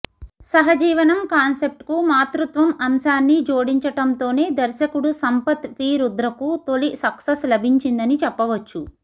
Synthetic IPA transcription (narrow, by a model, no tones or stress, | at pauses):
sɐɦɐd͡ʒiːʋɐnɐmkaːnse̞p̚ʈkumaːt̪ɾut̪ʋɐmɐmʃaːnːid͡ʒo̞ːɽiɲt͡ʃɐʈɐmt̪o̞ːne̞ːd̪ɐɾʃɐkuɽusɐmpɐt̪pʰiːɾud̪ɾɐkut̪o̞lisɐksɐslɐbʱiɲt͡ʃind̪ɐnit͡ʃɛpːɐʋɐt͡ʃːu